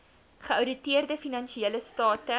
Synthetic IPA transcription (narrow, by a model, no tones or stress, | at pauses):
χəɐwdətiərdəfinɐnʃieləstɑːtə